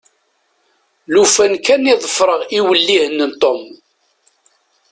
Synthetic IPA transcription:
lufænkæniðˤəfɾˤəʁiwəlːihənːənt̪ˤom

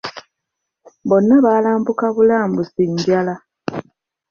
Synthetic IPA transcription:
bo̞nːaβaːlaːmbukaβulaːmbusiɲɟala

